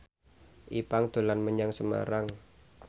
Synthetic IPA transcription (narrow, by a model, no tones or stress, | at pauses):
ʔipaŋd̪̥o̤lanməɲaŋsəma̰ɾaŋ